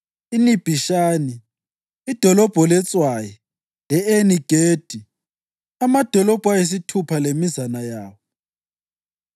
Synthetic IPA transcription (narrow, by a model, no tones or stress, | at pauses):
inib̥ʱiʃaːni | id̥ʱɔlɔb̥ʱɔlɛt͡sʼwajɛ | lɛeniɡ̥ʱeːd̥ʱi | amad̥ʱɔlɔb̥ʱwajes̬itʰupʰalemizanajaːwɔ